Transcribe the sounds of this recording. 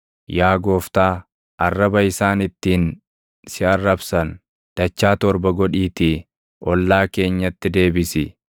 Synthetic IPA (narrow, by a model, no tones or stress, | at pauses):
jaːɡo̞ːft̪aː | ʔɐrːɐbɐɪsaːnɪt̪ːiːn | sɪɐrːɐbsɐn | d̪̥ɐt͡ʃːaːt̪ɔɾbɐɡɔᶑiːt̪ɪ | ʔɔlːaːke̞ːɲːɐt̪ːɪd̪e̞ːbɪsɪ